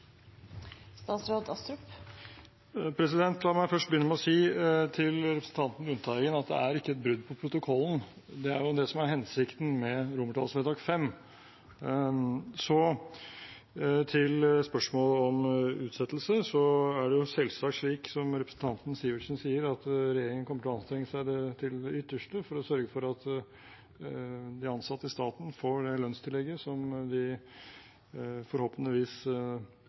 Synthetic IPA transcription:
st̪ɑːt̪sɾoːd̪ɑst̪ɾʉp | pʰɾɛs̬ɪd̪ɛnt̪ʰlɑɾmæɪfœʂʈbəjʏnːəmɛɔsiːt̪ʰɪlɾɛpɾəsn̩t̪ɑnt̪nɾʉnt̪ʰɑːɪɡənɑt̪̚d̪ɛ̰æɾɪkːəɛt̪̚bɾʉd̪ːpʰɔpʰɾʊt̪ʊkʰɔlːən̩ | d̪ɛæ̰ɾjʊd̪ɛsɔmæɾɦɛnsɪkt̪n̩mɛɾʊməʈʰɑ̰lsɛd̪ɑːɡfɛmː | sɔ | t̪ʰɪlspœʂmoːləɔmʉːt̪sɛt̪ːlsəsɔæɖɛjʊsɛlsɑːkʂɭiːksɔmɾɛpɾəsn̩t̪ʰɑnt̪n̩siːʋəʂənsiːəɾɑt̪ɾɛjeːɾɪŋənkɔmːəʈʰɔɑnst̪ɾɛŋːəsæɪd̪ɛt̪ʰɪlɛʏt̪ːəʂʈəfɔɾɔsœɾɡəfɔɾɑt̪ | d̪ɪɑnsɑt̪ːəst̪ɑːt̪n̩foːɖɛlœnst̪ʰɪlːɛɡːəsɔmd̪ɪ | fɔɾhoːpənəʋiːs

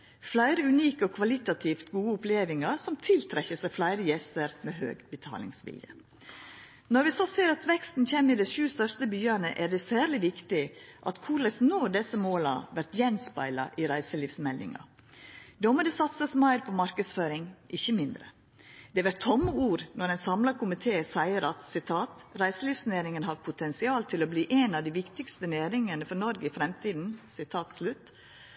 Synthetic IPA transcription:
flæɪɾəʉniːkəɔkʰʋɑlɪt̪ɑt̪ʰiːft̪ɡuːəʊpleːʋɪŋɑɾsɔmt̪ʰɪlt̪ʰɾɛçəsæflæɪɾəjɛst̪əɾmeːhø̰ːɡbət̪ʰɑ̰ːlɪ̰ŋsʋɪ̰ljə̰ | nɔɾʋɪsɔseːɾɑt̪ʋɛkst̪n̩çɛmɪd̪ɛɪʃʉːst̪œɾst̪əbyːɑɳə̰ʔæɖɛsæːɾlɪʋɪkt̪ɪʔɑ̰t̪kʰuːɾlɛsnoːd̪ɛsəmoːlɑ̰ʋæɾt̪jɛnspɑ̰ɪlɑ̰ʔɪɾæɪsəliːʋsmɛld̪ɪ̰ŋɑ̰ | d̪omɔd̪ɛsɑt̪səsmæɪɾpʰɔmɑɾkəsføːɾɪŋʔɪçːəmɪnd̪ɾə̰ | d̪̥ɛʋæɾt̪ʰːɔmːəuːɾnɔɾɛnsɑmlɑkʰʊmɪt̪ʰeːsæɪəɾɑt̪sɪt̪ʰɑːt̪ɾæɪsəliːʋsneːɾɪŋənɦɑd̪pʰʊt̪ʰɛnsɪɑːlt̪ʰɪlɔbliːʔɛnɑʋd̪iʋɪkt̪ɪkst̪ənæːɾɪŋənəfɔɾnɔɾɡəɪfɾɛmt̪ʰiːd̪n̩sɪt̪ʰɑːt̪slʉt̪ː

